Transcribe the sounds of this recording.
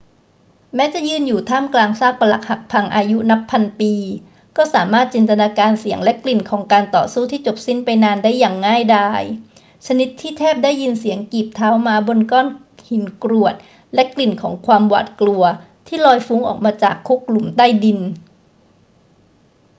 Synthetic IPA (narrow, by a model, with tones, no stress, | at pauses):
mɛː˦˥t͡ɕa˨˩jɯː˥˩njuː˨˩t̪ʰaː˥˩mklaː˧ŋsaː˥˩k̚pa˧la˨˦k̚ha˨˩k̚pʰa˧ŋʔaː˧ju˦˥na˦˥pʰːa˧npiː˧ | kɔː˥˩saː˩˦maː˥˩t̪̚t͡ɕeː˧nt̪a˧naː˧kaː˧nsi˩˦əŋlɛ˦˥ʔkli˨˩nkʰɔː˩˦ŋkaː˧nt̪ɔ̰ː˨˩suː˥˩t̪ʰiː˥˩t͡ɕo˨˩p̚si˥˩npa˧jnaː˧ndaː˥˩jːaː˨˩ŋːaː˥˩jdaː˥˩j | t͡ɕʰa˧ni˦˥t̪ʰːiː˥˩t̪ʰɛː˥˩p̚daː˥˩jːi˧nsi˨˩˦əŋkiː˨˩p̚t̪ʰaː˦˥wmaː˧bo˧nkɔː˥˩n | hi˨˩˦nkɾu˨˩ət̪̚ | lɛ˦˥ʔkli˨˩nkʰɔː˩˦ŋkʰwaː˧mwa̰ː˨˩t̪̚klu˧ɐ | t̪ʰiː˥˩lɔː˧jfu˦˥ŋʔɔ̰ː˨˩k̚maː˧t͡ɕaː˨˩kʰːu˦˥k̚lu˨˩˦mt̪aː˥˩jdi˧n